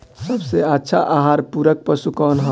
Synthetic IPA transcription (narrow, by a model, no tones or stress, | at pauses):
səbseətːʃʰaʔaɦaɾpuɾək̚pəsukɔnɦə̃